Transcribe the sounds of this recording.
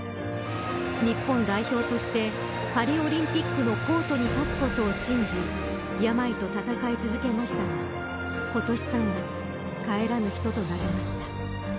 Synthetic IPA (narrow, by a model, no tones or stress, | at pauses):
ɲ̟ipːõ̞nd̪aiço̞ːt̪o̞ɕi̥t̪e̞ | paɾʲio̞ɾʲĩmpʲikːɯ̟no̞kʰo̞ːt̪o̞ɲ̟it̪at͡sɨ̥ko̞t̪o̞ːɕĩɲ̟d͡ʑi | jamait̪o̞t̪at̪akait͡sɨzɨke̞maɕi̥t̪aɡa | ko̞t̪o̞ɕi̥sãŋɡat͡sɨ̥ | kae̞ɾanoçi̥t̪o̞t̪o̞naɾʲimaɕi̥t̪ḁ